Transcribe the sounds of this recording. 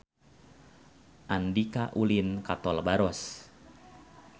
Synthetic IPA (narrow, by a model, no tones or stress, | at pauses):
ʔandikaʔulinkat̪ɔlbaɾɔs